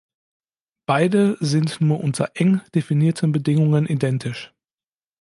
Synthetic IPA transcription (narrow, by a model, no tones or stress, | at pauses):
b̥aɪdəzɪntnuːɐʔʊntʰɐʔɛŋd̥efiniːɐtʰənbədɪŋʊŋənʔidɛntʰɪʃ